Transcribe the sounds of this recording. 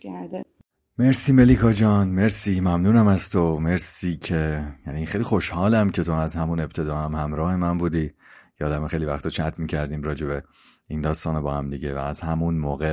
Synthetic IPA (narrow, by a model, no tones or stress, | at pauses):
meɾsiːme̞liːkʰɒːd͡ʒɒːnme̞ɾsiːmæmnuːnæmæzt̪ʰo̞me̞ɾsiːcʰe̞jæːniːnxejlixo̞ʃhɒːlæmcʰe̞t̪ʰoæzhæmune̞b̚t̪ʰe̞d̪ɒːhæmhæmɾɒːhe̞mænbuːd̪iːcʰeɒːd̪æmexejlivæxt̪ʰot͡ʃʰæt̪ʰmiːcʰæɾd̪iːmɾɒːd͡ʒe̞be | ind̪ɒːst̪ɒːnebɒːhæmd̪iɟevæ̰ːzhæmunmoːɣe